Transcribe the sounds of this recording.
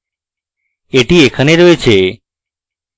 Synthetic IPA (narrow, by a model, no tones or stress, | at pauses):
eʈiekʰaneɾoet͡ɕʰe